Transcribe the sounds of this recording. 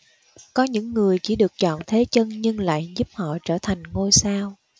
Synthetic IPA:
kɔ˨˦ɲɨ̰˧˥ŋːɨ˨˩əjt͡ɕi˧˩ɗɨ˨˩ək̚t͡ɕɔ̰˧˨nt̪ʰe˨˦t͡ɕə˧ŋɲɨ˧ŋla̰ː˧˨jzu˦˥p̚hɔ̰˧˨t͡ɕəː˧˩t̪ʰa˨˩jŋ̟ŋo˧jsaː˧w

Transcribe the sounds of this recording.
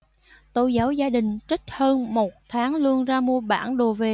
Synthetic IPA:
t̪o˧˩zaː˨˦wzaː˧ɗï˨˩ŋ̟t͡ɕi˦˥k̟̚həː˧nmo˨˩t̚t̪ʰaː˨˦ŋlu˧ənzaː˧mu˧əɓa̰ː˧˩nɗo˨˩ve˨˩

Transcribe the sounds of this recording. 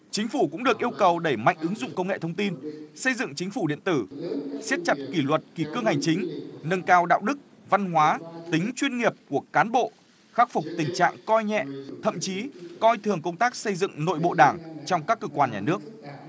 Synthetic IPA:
t͡ɕï˨˦ŋ̟fu˧˩kʊ̰˧˥ŋ͡mɗɨ˨˩ək̚ʔi˧əwkə˨˩wɗe˧˩ma̰˧˨jŋ̟ʔɨ˨˦ŋzʊ̰˧˨ŋ͡mkə˧wŋ͡mŋḛ˧˨t̪ʰə˧wŋ͡mt̪i˧nsə˧jzɨ̰˧˨ŋt͡ɕï˨˦ŋ̟fu˧˩ɗḭ˧˨ənt̪ɨ˧˩si˦˥t̚t͡ɕa˨˩t̚ki˧˩lwə˨˩t̚ki˧˩kɨ˧əŋha˨˩jŋ̟t͡ɕï˨˦ŋ̟nə˧ŋkaː˧wɗa̰ː˧˨wɗɨ˦˥k̚ | va˧nɦwaː˨˦t̪ï˨˦ŋ̟t͡ɕwi˧ənŋi˨˩əp̚ku˧˩əkaː˨˦nɓo̰˧˨ | xaː˦˥k̚fʊ˨˩k͡p̚t̪ï˨˩ŋt͡ɕa̰ː˧˨ŋkɔ˧jɲɛ̰˧˨t̪ʰə̰˧˨mt͡ɕi˨˦kɔ˧jt̪ʰɨ˨˩əŋkə˧wŋ͡mt̪aː˦˥k̚sə˧jzɨ̰˧˨ŋno̰˧˨jɓo̰˧˨ɗaː˧˩ŋt͡ɕɔ˧wŋ͡mkaː˦˥kːəː˧kwaː˧nɲaː˨˩nɨ˦˥ək̚

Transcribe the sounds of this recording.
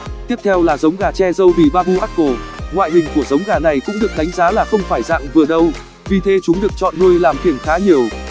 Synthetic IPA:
t̪i˦˥əp̚t̪ʰɛ˧wlaː˨˩zə˨˦wŋ͡mɣaː˨˩t͡ɕɛ˧zə˧wvi˨˩ɓaː˧ɓu˧ʔaː˦˥t̚ko˧˩ŋwa̰ː˧˨jɗï˨˩ŋ̟ku˧˩əzə˨˦wŋ͡mɣaː˨˩na˨˩jkʊ̰˧˥ŋ͡mɗɨ˨˩ək̚ɗa˨˦jŋ̟zaː˨˦laː˨˩xə˧wŋ͡mfaː˧˩jza̰ː˧˨mvɨ˨˩əɗə˧w | vi˨˩t̪ʰe˨˦t͡ɕʊ˨˦ŋ͡mɗɨ˨˩ək̚t͡ɕɔ̰˧˨nːu˧əjlaː˨˩mt̪ʰi˧˩ənxaː˨˦ɲi˨˩əw

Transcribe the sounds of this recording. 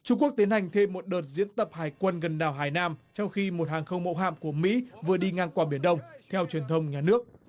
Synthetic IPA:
t͡ɕʊ˧ŋ͡mku˦˥k̚t̪i˨˦nha˨˩jŋ̟t̪ʰe˧mːo˨˩t̚ɗəː˨˩t̚zḭ˧˥ənt̪ə˨˩p̚haː˨˩jkwə˧nɣə˨˩nɗaː˨˩wɦaː˨˩jnaː˧mt͡ɕɔ˧wŋ͡mxi˧mo˨˩t̚haː˨˩ŋxə˧wŋ͡mmo̰˧˥wɦa̰ː˧˨mku˧˩əmḭ˧˥vɨ˨˩əɗi˧ŋaː˧ŋkwaː˧ɓi˧˩ənɗə˧wŋ͡mt̪ʰɛ˧wt͡ɕwi˨˩ənt̪ʰə˧wŋ͡mɲaː˨˧˩nɨ˦˥ək̚

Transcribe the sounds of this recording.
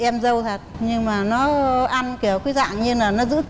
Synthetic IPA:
ʔɛ˧mzə˧wt̪ʰə˨˩t̚ɲɨ˧ŋmaː˨˩nɔ˨˦ʔa˧nki˧˩əwki˨˦za̰ː˧˨ŋɲɨ˧nlaː˨˩nɔ˨˦zɨ̰˧˥

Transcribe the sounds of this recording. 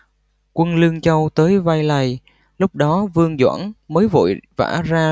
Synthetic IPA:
kwə˧nlɨ˧əŋt͡ɕa˧wt̪əː˨˦jva˧jla˧j | lʊ˦˥k͡p̚ɗɔ˨˦vɨ˧əŋzwa̰ː˧˥nməː˨˦jvo̰˧˨jva̰ː˧˩˥zaː˧

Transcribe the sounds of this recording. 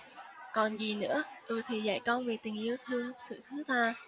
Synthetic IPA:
kɔ˨˩nzi˨˩nɨ̰˧˥əʔɨː˨˩t̪ʰi˨˩zə̰ː˧˩˨jkɔ˧nvi˨˩k̚t̪ï˨˩ŋʔi˧əwt̪ʰɨ˧əŋsɨ̰˧˨t̪ʰɨ˨˦t̪aː˧

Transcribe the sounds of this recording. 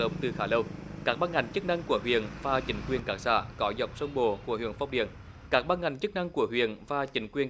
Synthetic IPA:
əː˨˦mt̪ɨ˨˩xaː˧˩lə˧wkaː˦˥k̚ɓaː˧nŋa˨˩jŋ̟t͡ɕɨ˦˥k̚na˧ŋku˧˩əɦwḭ˧˨ənvaː˨˩t͡ɕï˨˦ŋ̟kwi˨˩ənkaː˨˧˩ŋsa̰ː˧˥kɔ˨˦za˨˩wk͡p̚sə˧wŋ͡mɓo̰˧˨ku˧˩əhwḭ˧˩ənfa˧wŋ͡mɗḭ˧˨ən | kaː˦˥k̚ɓaː˧nŋa˨˩jŋ̟t͡ɕɨ˦˥k̚na˧ŋku˧˩əɦwḭ˧˨ənvaː˨˩t͡ɕï˨˦ŋ̟kwi˨˩ə

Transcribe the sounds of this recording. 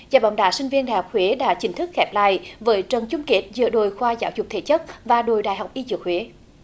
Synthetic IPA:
zaː˨˩ɓva̰˧˨ŋ͡mɗaː˨˦sï˧ŋ̟vi˧ənɗaː˨˩jha˨˩k͡p̚hwe˨˦ɗa̰ː˧˦˥t͡ɕï˨˦ŋt̪ɨ˦˥k̚xɛ˦˥p̚la̰ː˧˨jvəː˨˦jt͡ɕə˨˩nt͡ɕʊ˧ŋ͡mke˦˥t̚zɨ̰˧˨əɗo˨˩jxwaː˧zaː˨˦wzʊ˨˩k͡p̚t̪ʰḛ˧˩˦t͡ɕə˦˥t̚vaː˨˩ɗo˨˩jɗaː˧˨jɦa˨˩wk͡p̚ʔi˧zɨ̰˨˧˩ək̚hwe˨˦

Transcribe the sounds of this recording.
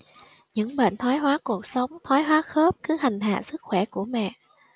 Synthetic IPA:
ɲɨ̰˧˥ŋɓḛ˧˨nt̪ʰwɔː˨˦jɦwaː˨˦ku˨˩ək̚sə˨˦wŋ͡mt̪ʰwɔː˨˦jɦwaː˨˦˥xəː˦˥p̚kɨ˨˦ha˨˩jŋ̟ɦa̰ː˧˨sɨ˦˥k̚xwɛ˧˩ku˧˩əmɛ̰˧˨

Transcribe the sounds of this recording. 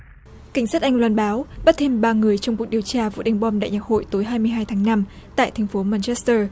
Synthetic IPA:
ka˧˩ŋ̟saː˦˥t̚ʔa˧jŋlwaː˧nɓaː˨˦wɓa˦˥t̚t̪ʰe˧mɓaː˧ŋɨ˨˩əjt͡ɕɔ˧wŋ͡mku˨˩ək̚ɗi˨˩əwt͡ɕaː˧vṵ˧˨ɗa˧jŋ̟ɓɔ˧mɗa̰ː˧˨jɲa˨˩t̚ho̰˧˨jt̪o˨˦jɦaː˧jmɨ˧əjɦaː˧jt̪ʰaː˨˦ŋna˧m | t̪a̰ː˧˨jt̪ʰa˨˩jŋ̟fo˨˦maː˧nt͡ɕɛ˦˥st̪əː˧

